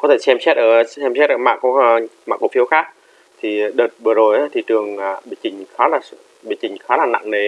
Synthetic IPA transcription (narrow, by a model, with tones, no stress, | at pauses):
kɔ˨˦t̪ʰe˧˩sɛ˧msɛ˦˥t̚ʔəː˧˩sɛ˧msɛ˦˥t̚ʔəː˧˩ma̰ː˧˨˩kːma̰ː˨˧˩ku˧˩fi˧əwxaː˦˥k̚ | t̪ʰi˨˩˨ɗəː˨˩t̚vɨ˨˩əzo˨˩jʔaː˨˦t̪ʰi˨˩t̪ɨ˨˩əŋaː˨˩ɓe˧˩t͡ɕï˨˩ŋ̟xaː˨˦laː˨˩sɨ̰˧˨ | ɓe˧˩t͡ɕï˨˩ŋ̟xaː˨˦laː˨˩na̰˧˨ŋne˨˩